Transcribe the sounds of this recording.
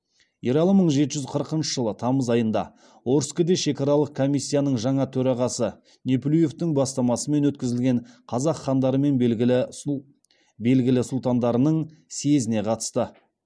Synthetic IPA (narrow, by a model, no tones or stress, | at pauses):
jeɾɑlˠəməɴʒe̞t̪ɪʒʏzqʰəɾəqənʃəʒəlˠət̪ʰɑməzɑjənd̪ɑ̰ | wo̞ɾskəd̪e̞ʃe̞kʲɑɾɑlˠəq̚kʰo̞mijsʲːijanəɴʒɑɴɑt̪ʰɵɾɑʁɑsə | neplʲuje̞ft̪ɪŋbɑst̪ɑmɑsəme̞nwɵt̪̚kʲɪzɪlɡʲe̞ɴqʰɑzɑqχɑnd̪ɑɾəme̞nblɡʲɪlɪ | be̞lɡʲɪlɪsʊlˠt̪ɑnd̪ɑɾənəɴ | se̞zɪne̞qʰɑt̪ə̥st̪ə